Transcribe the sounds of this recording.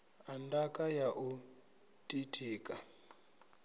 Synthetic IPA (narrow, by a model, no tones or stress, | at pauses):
andakajaʔu | tʼitʰiːka